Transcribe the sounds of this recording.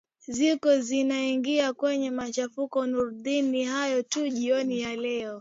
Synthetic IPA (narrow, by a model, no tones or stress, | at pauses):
zikɔzinaiŋɡiakwɛɲɛmat͡ʃafukɔnuɾɗinihajɔtuʄiɔnijalɛɔ